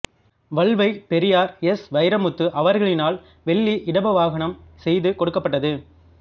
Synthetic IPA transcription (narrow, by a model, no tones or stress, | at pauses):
ʋɐɭʋɐɪpɛɾɪjaːɾɛsʋɐɪjɾɐmɯt̪ːɯʔɐʋɐɾɣɐɭɪnaːl | ʋɛɭːiʔɪɽɐbɐʋaːɣɐɳɐmsɛjðɯkɔɽɯkːɐpːɐʈːɐðɯ